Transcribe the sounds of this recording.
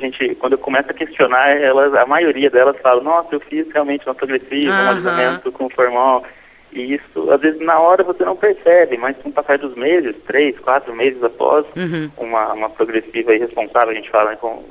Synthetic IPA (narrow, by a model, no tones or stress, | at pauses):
aʒẽnt͡ʃɪkwɐ̃nd̪ʊewkõmɛsʊɐkest͡ʃionaɾɛlɐzɐmajoɾiɐd̪ɛlɐsfalɐ̃w̃nɔsɐewfizheawmẽnt͡ʃɪũmɐpɾoɡɾesivɐũavizamẽnt̪ʊkõʊfoɾmaw | ɪisʊ̰a̰zvezɪznɐɔɾɐvosenɐ̃w̃peɾsɛbɪmɐskũpasajd̪ʊzmezɪst̪ɾejskwat̪ɾʊmezɪzapɔ̰zũmɐũmɐpɾoɡɾesivɐihespõsavewɐʒẽt͡ʃɪ̥falɐnɛkõʊ̰